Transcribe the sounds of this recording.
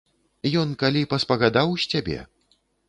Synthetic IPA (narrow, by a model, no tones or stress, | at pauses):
jɔnkalʲipɐspɐɣad̪awsʲtʲabʲɛ̰